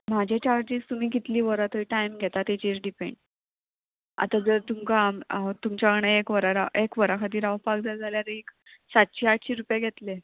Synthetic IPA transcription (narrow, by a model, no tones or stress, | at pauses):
m̤ad͡ʑʱet͡ɕaɾd͡ʑid͡zt̪um̤iːɡit̪liːʋəɾat̪əiʈajmɡʱet̪at̪et͡ɕet͡sɖipḛ̃ɳɖ | a̰t̪ad͡zəɾt̪umkamt̪umt͡ɕaɡəɳ̃aekʋəɾaɾaʔekʋəɾakʰat̪iːɾaʋpakd͡zʱad͡zʱaljaɾeek | sat̪̚ɕiːaʈʰɕiːɾupjaɡʱet̪le